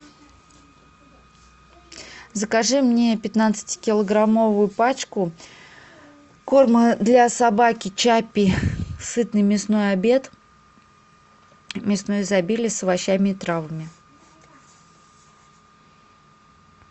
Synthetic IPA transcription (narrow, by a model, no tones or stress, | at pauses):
zəkaʐɨmnʲe̞pʲɪt̪nat̪sɨ̥tʲɪ̥kʲɪlˠəɡɾamo̞vʊjʊpat͡ɕkʊ | ko̞rməd̪lʲasabakʲɪt͡ɕapʲːɪsɨt̪̚nɨjmʲɪsno̞jabʲe̞t̪ | mʲɪsno̞jzɐbʲilʲɪsəvɐɕːamʲɪt̪ɾavəmʲɪ